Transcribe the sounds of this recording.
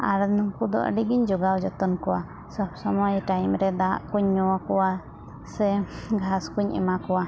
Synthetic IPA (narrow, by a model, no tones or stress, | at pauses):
a̰ɾnɔŋkud̪ɔ̰ʔə̰ɖiɡiɲd͡ʒɔɡawd͡ʒɔt̪ɔnkɔwa̰ | sɔbsɔmɔjʈajmɾɛd̪aʔkuɲːɔwakɔwa | sɛɡʱaskuɲɛ̰makɔwa